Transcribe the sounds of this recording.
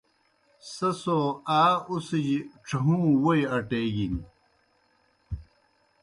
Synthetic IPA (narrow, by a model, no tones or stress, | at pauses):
sɐsoaːusid͡ʑiʈ͡ʂʰɐɦũːwojɐʈeːɡin